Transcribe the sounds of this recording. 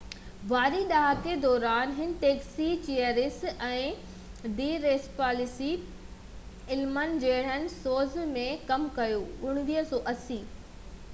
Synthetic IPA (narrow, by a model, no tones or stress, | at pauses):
ʋaːɾiɗaɦaked̪ɔːɾaːnɦɪnɪʈeːksit͡ɕijəɾɪsɛ̃ː | ɖiːɾeːspaːlɪsi | ɪlmənd͡ʑeːɽ̤ənɪsoːzmẽkɐmkɐjoːʊɽ̃ʋiːɦsɔːʔɐsiː